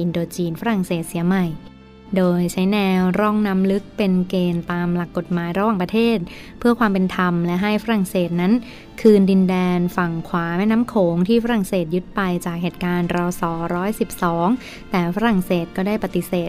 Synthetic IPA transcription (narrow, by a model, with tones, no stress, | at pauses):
ʔi˧ndoː˧t͡ɕiː˧nfa˦˥ɾa˨˩ŋseː˨˩t̪̚si˨˩˦ɐma˨˩j | doː˧jt͡ɕʰa˦˥jnɛː˧wɾɔ˥˩ŋna˦˥mlɯ˦˥k̚pe˧nkeː˧nt̪aː˧mla˨˩kːo˨˩t̪̚maː˩˦jɾa˧waː˨˩pɾa˧t̪ʰeː˥˩t̪̚ | pʰɯ˥˩ɐkʰwaː˧mpe˧nt̪ʰa˧mlɛ˦˥ɦa˥˩jfa˦˥ɾa˨˩ŋseː˨˩t̪̚na˦˥n | kʰɯː˧ndi˧ndɛː˧nfa˨˩ŋkʰwaː˩˦mɛː˦˥˩na˦˥mkʰoː˩˦ŋt̪ʰiː˥˩fa˦˥ɾa˨˩ŋseː˨˩t̪̚ju˦˥t̪̚pa˧jt͡ɕaː˨˩k̚heː˨˩t̪̚kaː˧nɾɔ˧sɔː˩˦ɾɔː˦˥jsi˨˩p̚sɔː˩˦ŋ | t̪ɛː˨˩fa˦˥ɾa˨˩ŋseː˨˩t̪̚kɔː˥˩daː˥˩jpa˨˩t̪i˨˩seː˨˩t̪̚